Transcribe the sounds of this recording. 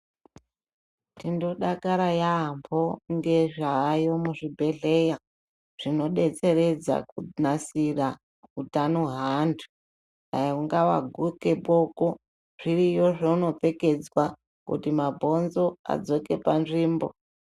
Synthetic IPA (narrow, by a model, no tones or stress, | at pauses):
tindo̞ɗakaɾajambʰoŋɡe̞ʐaːjo̞muʐibʱe̞ɮe̞ja | ʐ̥ino̞ɗe̞t͡se̞re̞d͡za̰kunasira | utanuɦandʰu̥ | auŋɡawa̰ɡʱuke̞ɓoko | ʐ̥irijoʐouno̞pe̞ke̞d͡zwa | kṵtimabʱo̞nzo̞a̰d͡zo̞ke̞panʐiːmbo̞̰